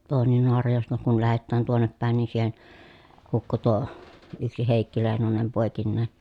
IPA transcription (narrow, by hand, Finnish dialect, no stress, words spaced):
toːnen noɑrɑjoˑestɑ kun læhetːæːn tuonːep pæˑen ni siːhen hukːu tuo yksi heˑikːi leˑi̯nonem poˑekinːeː